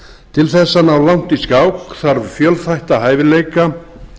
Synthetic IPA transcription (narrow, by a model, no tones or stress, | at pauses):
t̪ʰɪlθɛsːanawlawn̥t̪iskaːwkθaɾvfjœlθajht̪aɦaːjvɪleːjka